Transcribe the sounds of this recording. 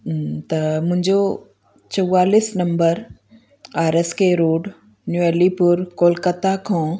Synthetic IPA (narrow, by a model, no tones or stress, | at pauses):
t̪ɐmʊ̃ɦɪ̃ɲd͡ʑo | t͡ɕɐwaːlisnɐ̃mbəɾ | aːɾɛskeɾoːɖ | njuɛlipʊɾkoːlkət̪akʰõː